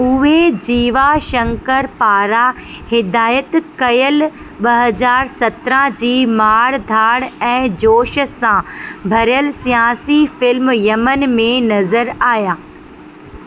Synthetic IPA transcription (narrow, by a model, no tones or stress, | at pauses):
ʊɦed͡ʑiːʋaʃɐ̃ŋkəɾpaːɾa | hɪd̪aːjət̪kɐjəl | ɓɐɦəzaːɾsɐt̪ɾãd͡ʑiːmaːɾd̪ʱaːɽɛ̃ːd͡ʑoːʃəsãbʱɐɾijəlsijaːsifɪlmjɐmən̆mẽnɐzəɾaːɦjaː